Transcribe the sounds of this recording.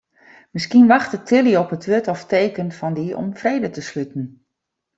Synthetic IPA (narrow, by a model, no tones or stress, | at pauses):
mɪskiənʋɑxtətʰɪlˠiɔpətʋøtɔfteːkənfɑndiɔ̰mfreːdətəslytn̩